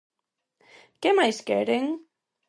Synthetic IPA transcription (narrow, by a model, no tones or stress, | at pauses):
kɛmaɪskɛɾɪ̃ŋ